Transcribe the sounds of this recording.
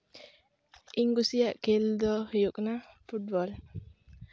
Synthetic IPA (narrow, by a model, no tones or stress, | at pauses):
ʔiŋɡusijaʔkeld̪ɔhjuk̚nafut̚bɔl